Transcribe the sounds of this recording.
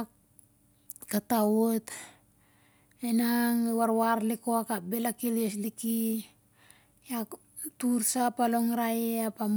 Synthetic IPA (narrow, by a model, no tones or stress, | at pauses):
katawot | enaŋwaɾwaɾlikoakabelakilesliki | jak | tuɾsapaloŋɾajeapam